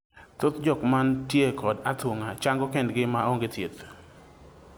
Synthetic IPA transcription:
t̪ot̪d͡ʒɔkmantjekɔdat̪woŋat͡ʃaŋɡɔkɛndɡɪmaoŋɡɪt̪jet̪

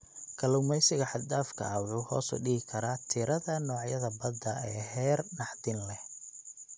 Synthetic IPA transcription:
kʰɐlʊːmɛjsɪɣɐħɑd̪aːfkʰɐ̰ʔɐwʊːhɔ̰ːsʊ̰ɖɪɦɪkʰɐɾaːt̪ʰɪɾɐðɐnɔːʕjɐðɐbɐd̪ɐʔɛːɦɛːrnɑħd̪ɪnlɛ

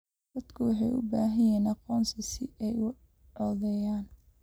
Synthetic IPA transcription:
d̪̥ɐd̪kʰʊwɑħɑjʔʊ̰baːɦɐjɛːnɑqɔːnsɐsɪɛjʊ | ɔːðɛjaːn

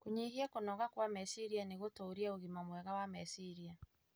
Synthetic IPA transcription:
koɲeɦiakonɔɣakwamɛsiɾianeɣotoːɾiaoɣimamwɛɣawamɛsiɾia

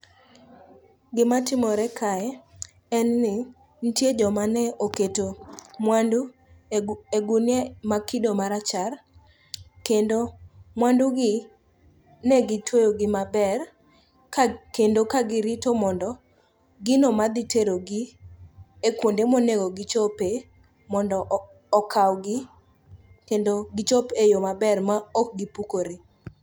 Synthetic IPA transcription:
ɡɪmatɪmɔɾɛkʰaɛ | ɛnːɪ | n̩tjed͡ʒɔmanɛoketomwandu | eɡunjemakɪdomaɾat͡ʃar | kendomwanduɡɪ | nɛɡɪtwojoɡɪmabɛr | kendokaɡɪɾitomɔndɔ | ɡɪnomad̪ɪtʰeɾoɡɪ | ekwondemoneɡoɡɪt͡ʃɔpe | mɔndɔʔː | kʰawɡɪ | kendoɡɪt͡ʃopejomabɛrmaɔk̚ɡipukoɾe

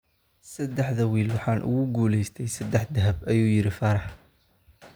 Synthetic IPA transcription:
sɐd̪ːɛħðɐwiːlwɑħɑːnʔʊ̰ɣʊɡuːlɛjst̪ʰɛjsɐd̪ɛħd̪ɐɦɐbɐjuːjɪɾɪfɐːɾɑħ

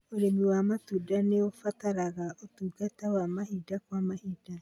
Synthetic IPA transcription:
oɾemiwamatudaneofataɾaɣaʔotuːɡatɛwamahidakwamahiːda

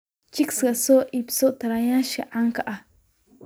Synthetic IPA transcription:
t͡ʃiksɡasoʔipsoʔt̪aɾajaʃiʕaŋkaʔa

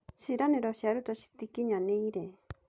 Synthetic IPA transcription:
ʃiɾanẽɾoʃiaɾut̪oʃi̥t̪ikiɲãnẽĩɾe

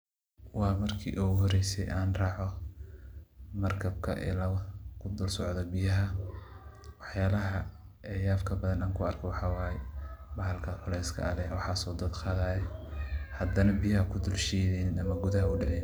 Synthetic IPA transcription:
wɑːmɐrkʰḭːʔuɦɔɾɛjsɛ̰jʔaːnrɑːʕɔ | mɐrkʰɐb̚kʰɐ̰ʔɛ̰lɐkʰʊd̪ʊlsɔʕðɔbɪjɐɦɐ | wɑħjaːlɐɦɐ | ɛjaːfkʰɐbɐðɐnaːŋkʰʊɐrkʰɔwɑħɑːwɑːjɛbɐɦɐlkʰɐħʊlɛjskʰɐ̰ɐlɛwɑħɑːsɔːd̪ɐd̪qɑːðaːjɛhɐd̪ɐnɐbijɐɦɐkʰʊd̪ʊlʃɛːðɛnɪnɐmɐɡʊðɐɦɐʊɖɛʕɛj

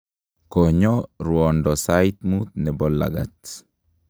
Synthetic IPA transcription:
koɲɔɾwɔndɔsait̪mut̪̚nɛbɔlːa̰ɡa̰t

